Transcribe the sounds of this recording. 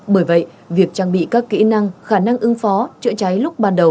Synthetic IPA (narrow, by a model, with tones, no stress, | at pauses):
ɓəː˧˩jvə̰˧˨j | vi˨˩ək̚t͡ɕaː˧ŋɓḭ˧˨kaː˦˥kkḭ˧˥na˧ŋxaː˧˩na˧ŋʔɨ˨˧˦ŋfɔ˨˦t͡ɕɨ̰˧˥t͡ɕa˨˦jlʊ˦˥k͡p̚ɓaː˨˩nɗə˨˩w